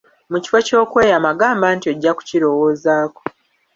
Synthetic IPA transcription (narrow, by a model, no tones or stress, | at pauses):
muci̥fo̞co̞ːkwe̞ːjamaɡaːmbaːntie̞ɟːaku̥ciɾo̞wo̞ːzaːko